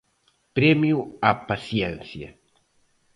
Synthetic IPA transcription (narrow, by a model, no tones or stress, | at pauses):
pɾɛmjuapasjɛnθja̰